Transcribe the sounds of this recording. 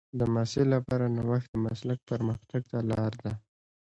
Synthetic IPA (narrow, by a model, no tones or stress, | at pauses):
d̪əmɑselapɑɾanawaxt̪̚d̪əmaslak̚pəɾməxt̪aɡ̚t̪alɑɾd̪a